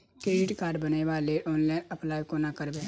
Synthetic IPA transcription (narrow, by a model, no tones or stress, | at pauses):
kɾeːɖɪʈkaːɾɖbəneʋaleʔɔːnlaːɪnəplaːjkonakəɾbe